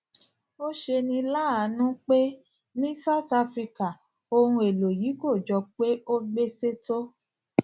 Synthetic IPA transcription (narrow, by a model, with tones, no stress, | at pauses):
o˦ʃe˧nĩ˧la˦a˨˦nũ˦k͡pe˦ | nĩ˦sa˦˨ta˧fɾi˧ka˨ | o˧ɾũ˧e˨lo˨ji˨˦ko˦˨d͡ʒɔ˧k͡pe˦o˦ɡ͡be˦se˦to˦